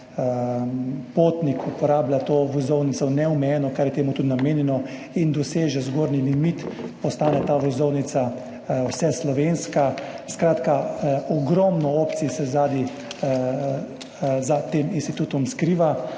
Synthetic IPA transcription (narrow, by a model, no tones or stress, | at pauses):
poːt̪nikʰupɔɾaːblʲat̪oːʋɔzɔwnit̪sɔnɛɔmɛjɛːnɔkaɾjɛt̪eːmut̪ud̪nameːnjɛnɔ | ind̪ɔseːʒɛzɡoːɾnilimit̪pɔst̪aːnɛt̪aːʋɔzɔwnit̪sa | wsɛslɔʋenska | skɾaːt̪kaɔɡɾɔmnɔoːpt̪sisɛzaːd̪i | zat̪eːminst̪it̪uːt̪ɔmskɾiːʋa